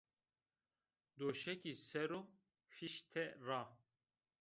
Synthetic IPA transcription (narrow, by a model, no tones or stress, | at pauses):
d̪oʃɛkisɛɾu | fiʃt̪ʰɛraː